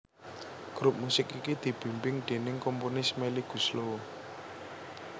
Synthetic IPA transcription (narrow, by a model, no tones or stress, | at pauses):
ɡ̥ɾup̚musɪkikid̪̥i̤b̥i̤mpɪŋɖ̪̥e̤nɪŋkɔmpunɪsmeliɡ̥ṳslo